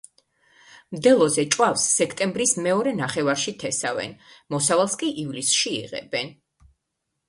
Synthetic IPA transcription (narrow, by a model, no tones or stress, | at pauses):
md̪ɛlˠɔzɛt͡ʃʼwafsːɛkʰt̪ʼɛmbɾismɛɔɾɛnaχɛvaɾʃit̪ʰɛsavɛ̰nmɔsavalˠskʼiʔivlisʃiḭʁɛ̰bɛn